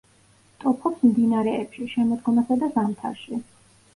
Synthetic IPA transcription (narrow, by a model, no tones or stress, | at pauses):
t̪ʼɔpʰɔpsmd̪inaɾɛːpʃiʃɛmɔd̪ɡɔmasad̪azamt̪ʰa̰ɾʃi